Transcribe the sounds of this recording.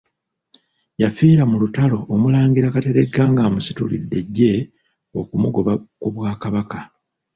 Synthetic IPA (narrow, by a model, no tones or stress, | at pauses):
jafiːɾamulutalo̞ːmulaːŋɡiɾakate̞ɾe̞ɡaːŋɡaːmusi̥tulḭdːe̞ɟːe̞ | okumuɡo̞βakuβwaːkaβaka